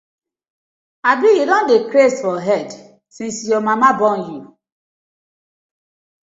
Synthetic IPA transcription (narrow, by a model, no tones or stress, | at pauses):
abijudõndekɾestfɔɦɛd | sĩnsjɔmamabɔ̃nju